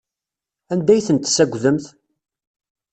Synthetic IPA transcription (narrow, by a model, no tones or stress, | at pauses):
ænd̪æjθənt̪sæɡʷðəmθ